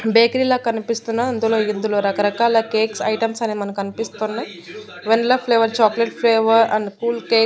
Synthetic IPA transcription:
beːkɐɾiːlaːkɐnipist̪unːaɐnd̪ulo̞ːind̪ulo̞ːɾɐkɐɾɐkaːlɐkeːksɐ̰jʈɐmsɐneːmɐnɐmkɐnipist̪unːaj | ʋenlɐpʰleːʋɐɾt͡ʃaːkleʈpʰleːʋɐɾɐ̰ɳɖkuːlkeː

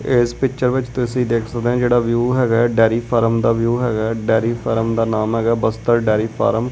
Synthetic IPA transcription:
ɪspɪkt͡ʃəɾʋɪt͡ʃt̪ʊsĩːd̪eːkʰsək̚d̪ẽãːd͡ʒeːɽaːʋjuːɦɛːɡaːɖɛːɾiːpʰaːɾəmd̪aːʋjuːɦɛːɡaːɖɛːɾiːpʰəɾəmd̪aːnaːmɦɛːɡaːbəst̪əɾɖɛːɾiːpʰa̰ːɾəm

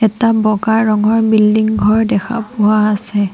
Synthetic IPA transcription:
ɛtabɔɡaɹːɔŋɔɹbildiŋɡʱɔɹdɛkʰa̰pʊwaːsɛ

